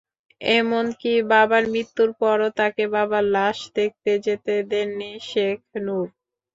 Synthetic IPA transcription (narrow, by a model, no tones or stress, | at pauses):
emonkibabaɾmɾit̪ːuɾpɔɾot̪akebabalaʃd̪ek̚t̪ed͡ʑet̪ed̪enːiʃekʰnuɾ